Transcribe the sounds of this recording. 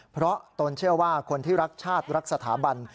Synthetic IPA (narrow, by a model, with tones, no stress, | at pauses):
pʰɾɔ˦˥t̪o˧nt͡ɕʰɯ˥˩ɐwaː˥˩kʰo˧nt̪ʰiː˥˩ɾa˦˥k̚t͡ɕʰaː˥˩t̪̚ɾa˦˥k̚sa˧t̪ʰa̰ː˩˦ba˧n